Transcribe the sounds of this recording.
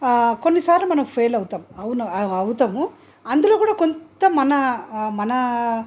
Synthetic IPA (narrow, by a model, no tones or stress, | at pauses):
konːisaːɾlɐmɐnɐmpʰejlɐwut̪aːmɐʋnɐɐwt̪aːmu | ɐnd̪uloːkuːɽaːkontt̪ɐmɐnɐmɐnɐ